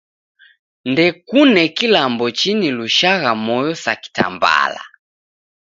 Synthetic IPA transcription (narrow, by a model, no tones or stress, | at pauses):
ndɛkunɛkilambɔt͡ʃiniluʃaɣamɔjɔsaki̥ta̰mba̰la̰